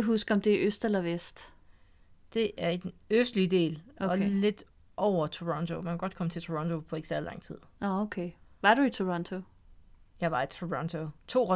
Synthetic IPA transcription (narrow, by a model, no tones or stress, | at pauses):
ɦusɡ̥ɒ̽md̥e̝æʔøsd̥elɐʋesd̥ | d̥e̝ʔæɐid̥nøsd̥lid̥e̝̰ːlɒ̽le̝d̥ | ʔɒʊ̰ɐt͡sʰoʁɔ̽nt͡sʰomænkʰæɡɒ̽d̥̚kʰɒ̽mət͡sʰe̝t͡sʰoʁɔ̽nt͡sʰo̝pʰɒ̽e̝ɡ̥sæɐðˠlɑ̈ŋ̰t͡sʰið̰ˠokʰeʋɑ̈ɾ̥uit͡sʰoʁɔnt͡sʰo̝ | jɑ̈ɪʋɑ̈it͡sʰuʁɒnt͡sʰot͡sʰo̝̰ːʁɒ